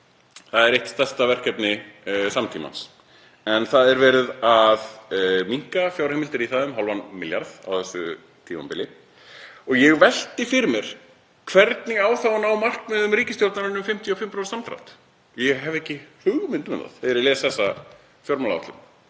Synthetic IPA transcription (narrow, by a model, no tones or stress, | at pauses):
θaðɛɾeht̪st̪ɛr̥st̪avɛr̥kɛpnɪsamt̪ʰiːma̰ns | ɛnθaðɛɾvɛːɾɪðaðmiŋ̥kafjawɾheːmɪlt̪ɪɾiθaːðʏmɦɔlvanmɪlja̰ɾða̰wθɛsːʏ̰ | t̪ʰiːma̰mpɪlɪ | ɔɣjɛɣvɛl̥t̪ɪfɪɾɪmɛɾ̥ | kʰvɛɾt̪nɪɣaːwθawnawmar̥kmɛðʏmɾiːcɪst̪jolt̪naɾʏnʏmfɪm̥t̪ʰiɔfɪmpɾawsamt̪ʰɾa̰wt̪ | jɛɣɦɛvɛhcːɪhʏɣʏmɪnt̪mɛna̰ðθɛðɛɾɪlɛːsθɛsːa | fjɔɾmalaa̰t̪ɪ̰m